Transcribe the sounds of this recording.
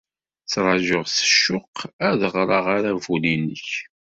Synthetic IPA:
t͡sɾˤɑʒəʁsə̥ʃːʊqæðəʁɾˤɑʁaɾævulinːəç

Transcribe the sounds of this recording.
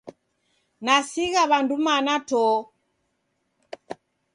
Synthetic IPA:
nasiɣaβandumanatɔ

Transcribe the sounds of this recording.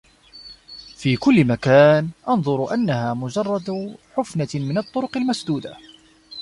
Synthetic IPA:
fiːkʊlːɪmakaːnʔɑnðˤʊɾʔanːahaːmʊd͡ʒɑrˤːɑd̪ħʊfnamɪnɑt̪ˤːʊɾʊqɪlmasd̪uːd̪a

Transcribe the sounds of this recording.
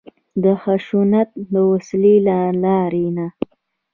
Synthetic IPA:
d̪əxaʃunat̪̚d̪əwaslilalɑɾena

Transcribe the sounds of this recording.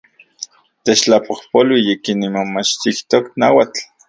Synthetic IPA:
t̪et͡ʃt͡ɬapohpolwijikinːimomat͡ʃt̪iht̪oknawat͡ɬ

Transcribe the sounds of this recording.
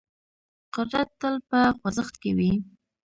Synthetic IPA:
qʊɾɾat̪ːəlpəxwazəxt̪kewi

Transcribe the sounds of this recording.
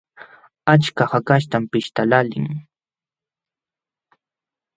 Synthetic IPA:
at͡ʃkahakaʃt̪ampɪʃt̪alalɪ̰ŋ

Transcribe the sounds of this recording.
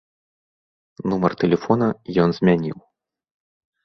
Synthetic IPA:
numɐrt̪ɛlʲɛfɔnɐjɔnzʲmʲanʲḭw

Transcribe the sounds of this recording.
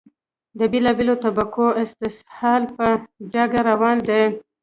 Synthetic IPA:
d̪əbelɑbelot̪abakoɪst̪ɪshɑlpəd͡ʒaɡaɾawɑnd̪e

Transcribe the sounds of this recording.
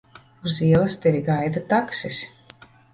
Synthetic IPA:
uziɛlˠast̪ɛɾʲiɡajd̪at̪aksisʲ

